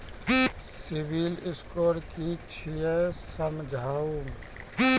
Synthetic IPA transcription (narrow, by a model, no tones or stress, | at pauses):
sɪbilɪskoːɾkit͡ʃʰijesəmd͡ʒʱaːum